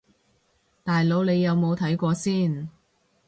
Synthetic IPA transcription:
t̪aː˨jlo˨˧wle˨˧jːɐ˨˧wmo˨˧wt̪ʰɐ˨˥jkʷɔː˧siː˥˩n

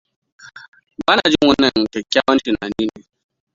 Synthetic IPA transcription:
ba˦na˨d͡ʒu˦ŋu˦nə˨ŋ˨kɛ˨kʲːa˦wa˦n̩˦ti˨na˨ni˦ni˨

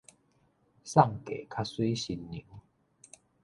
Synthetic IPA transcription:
sa˥˧˨ŋke˨˩kʰa˦swi˦ɕi˧nːḭ̃˨˦

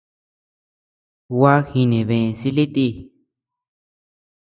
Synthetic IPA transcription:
wa˦xi˧nẽ˨βẽ˧˨˧si˦li˦t̪i˧

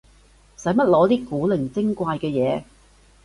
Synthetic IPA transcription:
sɐ˨˥jmɐ˥t̚lɔː˨˧˥t̪iː˥kuː˨˥lɪ˨˩ŋt͡sɪ˥ŋkʷwaː˧jkɛː˧jɛː˨˧

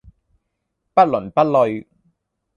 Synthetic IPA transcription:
pa˦˥t̪̚lɔ˨˦npa˦˥t̚lɔ˧j

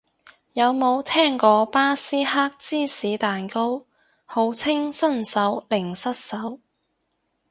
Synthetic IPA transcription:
jɐ˨˧wmo˨˧wt̪ʰɛː˥ŋkɔː˨˧paː˥siː˥ɦaː˥k̚t͡siː˥˩siː˨˥t̪aː˨nko˥w | ho˨˧˥wt͡sʰɪ˥ŋsɐ˥nsɐ˨˥wlɪ˨˩ŋsɐ˥t̚sɐ˨˥w

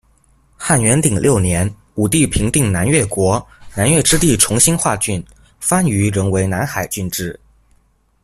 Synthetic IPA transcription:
xa˥˩nɥɛ˧˥nt̪i˨˩ŋlʔjo˥˩ʊnjɛ˧˥n | u˨˩t̪i˥˩pʰi˧˥ŋt̪i˥˩ŋna˧˥nɥɛ˥˩kwɔ˧˥na˧˥nɥɛ˥˩ʈ͡ʂɻ̩˥t̪i˥˩ʈ͡ʂʰʊ˧˥ŋɕi˥nxwa˥˧t͡ɕy˥˩n | fa˥ny˧˥ɻɤ˧˥ŋwe˧˥ɪna˧˥nxa˨˩ɪt͡ɕy˥˧nʈ͡ʂɻ̩˥˩

